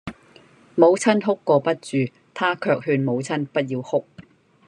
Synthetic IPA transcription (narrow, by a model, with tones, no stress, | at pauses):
mo˨˧wt͡sʰɐ˥nɦʊ˥kːɔː˧pɐ˥t̚t͡ʃyː˨ | t̪ʰaː˥kʰœː˧k̚ɦyː˧nmo˨˧wt͡sʰɐ˥npɐ˥t̚jiː˧whʊ˥k̚